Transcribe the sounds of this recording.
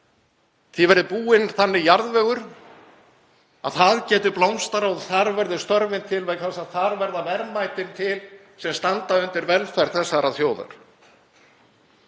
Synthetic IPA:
θivɛɾðɪpuːɪnθanːɪjaɾðvœːɣʏɾ̥ | a̰ðθaðcɛːt̪ʏplowmst̪aɾawðθaɾvɛɾðʏst̪œɾvɪnt̪ʰɪlvejkʰθalsaðθaɾvɛɾðavɛɾmajt̪ɪnt̪ʰɪl | sɛmst̪ant̪aʏnt̪ɪɾvɛlfajɾ̥θɛsːaɾaθjoːwða̰ɾ̥

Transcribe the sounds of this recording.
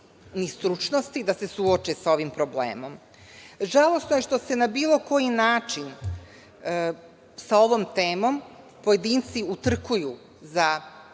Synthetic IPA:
nist̪ɾut͡ʃno̞st̪id̪ase̞suot͡ʃesao̞ʋimpɾo̞blḛːmo̞m | ʒalˠo̞snoje̞ʃt̪o̞se̞nabiːlˠo̞ko̞jinaːt͡ʃin | sao̞ʋo̞mt̪eːmo̞m | poje̞d̪iːnt̪siut̪r̩kuju | za

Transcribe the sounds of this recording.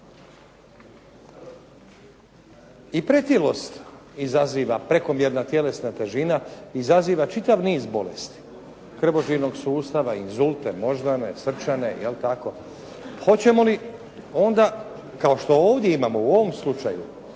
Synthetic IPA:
ipɾe̞t̪ilo̞st̪izaziːʋapɾe̞ko̞mje̞ɾnat̪je̞le̞snat̪e̞ʒinaiːzaziːʋat͡ʃit̪aʋniːzbo̞lḛst̪i̥ | kr̩ʋo̞ʒiɾno̞ɡsuːst̪aʋainzulˠt̪e̞mo̞ʒd̪ane̞̰sr̩t͡ʃane̞̰jelt̪ako̞ | xo̞t͡ɕe̞mo̞li | o̞nd̪a | kao̞ʃt̪o̞oːʋd̪je̞imaːmo̞uo̞ʋo̞mslut͡ʃa̰jṵ

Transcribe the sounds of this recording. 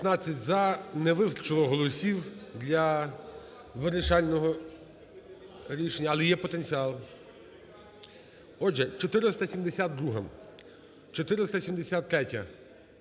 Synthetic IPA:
t̪nɑt͡sʲːɐtʲzɐneʋɪst̪rt͡ʃɪlˠɔɦɔlˠɔsʲiwd̪lʲɐ | ʋeɾɪʃɑlʲnɔɦɔ | ɾʲiʃenʲːɐlˠɛjɛpɔt̪enʲt͡sʲiɑlˠ | ɔʒɛt͡ʃɔt̪ɪɾɪst̪ɐsʲimd̪esʲat̪̚d̪ɾuɦɐm | t͡ʃɔt̪ɪɾɪst̪ɐsʲimd̪esʲat̪ːɾɛtʲɐ

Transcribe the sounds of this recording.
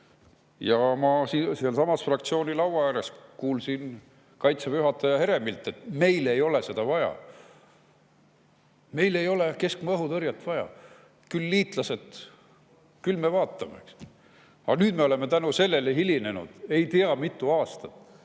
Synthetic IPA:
jɑmɑsiseɑlsɑmɑsfrɑkt̪sio̞ːnʲilɑwvɑjæɾe̞skuːlsin | kɑjt̪sepyɦɑt̪ːˑɑjɑɦe̞ɾe̞milt̪ːˑe̞t̪me̞jle̞jo̞le̞se̞d̪̥ɑvɑjɑ̰ | me̞jle̞jo̞le̞ke̞skmɤɦut̪ɤɾjɑt̪ːˑvɑjɑ̰ | kylːiːt̪ˑlɑse̞t̪ | kylme̞vɑːt̪ːˑɑmeks | ɑnyːd̪me̞o̞leme̞t̪ænuse̞lːe̞leɦiline̞nṵd̪̥e̞jt̪iɑmit̪ːˑuɑːst̪ɑt̪

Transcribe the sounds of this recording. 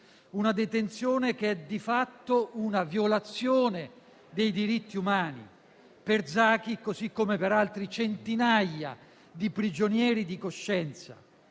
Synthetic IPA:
unad̪et̪ent̪sjoːnek̟eɛd̪ifat̪ːounavjolat̪sjoːne | d̪ejd̪iɾit̪ːiumaːnḭ | perd̪zaːk̟ikozikːomepeɾalt̪ɾit͡ʃent̪inajːa̰ | d̪ipɾid͡ʒonjɛːɾid̪ikoʃːɛnt̪sa̰

